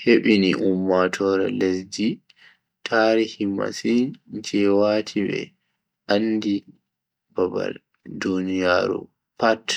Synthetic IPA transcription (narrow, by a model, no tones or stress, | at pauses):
heɓiniʔumːatʰɔɾɛ̰lesdi | tʰaːɾihima̰sind͡ʒɛwaːtʰibɛ̰ | ʔandi | b̥aba̰l | dunijaːɾṵ | pat